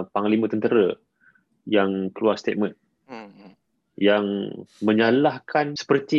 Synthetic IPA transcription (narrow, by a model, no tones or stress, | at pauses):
paŋlimə̃t̪ənt̪əɾə | jaŋkəluarst̪et̪̚mə̃n | jaŋmə̃ɲalahkʰansə̥pərt̪i